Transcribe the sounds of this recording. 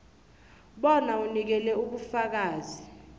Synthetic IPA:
ɓɔnaunik̬ɛlɛuɓufak̬aːzi

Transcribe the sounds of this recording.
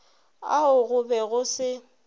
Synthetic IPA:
a̰ʊɣʊbɛɣʊsɪ

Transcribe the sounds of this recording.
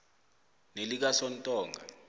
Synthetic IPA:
nelik̬asɔntʼɔːŋʱa̰

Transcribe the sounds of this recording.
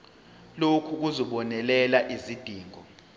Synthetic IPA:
lokʰuk̬uzɔɓɔnɛlɛlaʔizid̥ʱiːŋʱɔ

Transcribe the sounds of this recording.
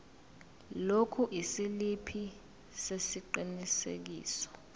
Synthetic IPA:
lokʰuʔisilipʰi | sesiǃinisḛk̬ḭːsɔ̥

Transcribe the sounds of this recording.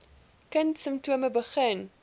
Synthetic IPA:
kəntsəmptuəməbəχən

